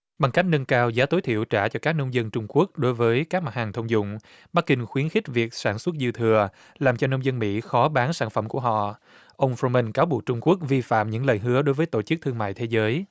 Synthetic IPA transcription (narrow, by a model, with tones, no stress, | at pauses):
ɓa˨˩ŋka˦˥k̚nə˧nkaː˧wzaː˨˦t̪o˨˦jt̪ʰḭ˧˨əwt͡ɕaː˧˩t͡ɕɔ˧kaː˦˥k̚nə˧wŋ͡mzə˧nt͡ɕʊ˧ŋ͡mku˦˥ək̚ɗo˨˦jvəː˨˦jkaː˦˥k̚ma˨˩t̚haː˨˩ŋt̪ʰə˧wŋ͡mzʊ̰˧˨ŋ͡m | ɓa˦˥k̚kï˧ŋ̟xwi˨˦ənxi˦˥k̟̚vi˨˩ək̚saː˧˩nswə˦˥t̚zi˧əwt̪ʰɨ˨˩ə | laː˨˩mt͡ɕɔ˧nə˧wŋ͡mzə˧nmḭ˧˥xɔ˨˦ɓaː˨˦nsaː˧˩nfə̰˧˩mku˧˩əɦɔ̰˧˨ | ʔə˧wŋ͡mfo˧mə˧nkaː˨˦wɓu˨˩k̚t͡ɕʊ˧ŋ͡mku˦˥ək̚vi˧fa̰ː˧˨mɲɨ̰˧˥ŋlə̰ː˨˩jɦɨ˨˦əɗo˨˦jvəː˨˦jt̪o̰˧˩t͡ɕɨ˦˥k̚t̪ʰɨ˧əŋma̰ː˧˨jt̪ʰe˨˦zəː˨˦j